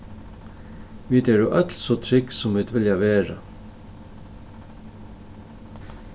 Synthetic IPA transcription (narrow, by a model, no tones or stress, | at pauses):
ʋiːd̪ɛːɹuʔœt̪lsoːt̪ʰɹɪksʊmʋiːd̪vɪljaʋeːɹa̰